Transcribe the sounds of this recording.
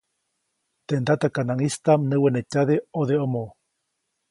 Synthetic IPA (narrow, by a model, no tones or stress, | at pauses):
t̪end̪at̪akanaŋist̪amnɨwenet͡ʃaðeoðeomõ